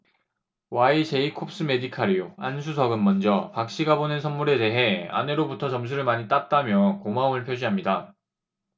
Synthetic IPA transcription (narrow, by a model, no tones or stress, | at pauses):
wait͡ɕe̞ikʰop̚s͈ɯme̞dikʰaɾijoansʰus̬ʰʌɡɯnmʌnd͡ʑʌpak̚ɕ͈iɡabonɯnsʰʌnmuɾe̞de̞ɦe̞a̰ne̞ɾobutʰʌt͡ɕʌms̬ʰuɾɯɭmaɲit͈at̚t͈amjʌkomaomɯɭpʰjod͡ʑiɦamɲida